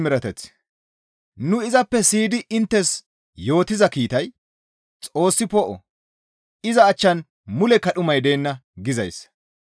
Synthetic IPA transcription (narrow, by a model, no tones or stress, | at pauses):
mɪɾɐt̪ɛt͡s | nʊɪzɐpːɛsiːd̪ɪʔɪnt̪ːɛs | jo̞ːt̪ɪzɐkiːt̪ɐj | t͡sʼo̞ːsːɪpɔʔɔ̰ | ɪzɐːt͡ʃːɐn | mʊlɛkɐɗʊmɐjd̪e̞ːnːɐɡɪzɐjs